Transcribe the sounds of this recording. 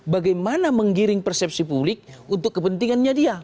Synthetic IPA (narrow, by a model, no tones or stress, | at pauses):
baɡajmanaməŋɡiɾɪŋpərsɛp̚sipublɪk̚unt̪ʊkːəpənt̪iŋanɲadia